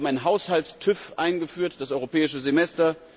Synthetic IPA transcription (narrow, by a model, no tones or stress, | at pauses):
m̩aɪnɦaʊshalstʰʏfʔaɪnɡəfyːɐtd̥asʔɔʏʁopʰɛːɪʃəzemɛstɐ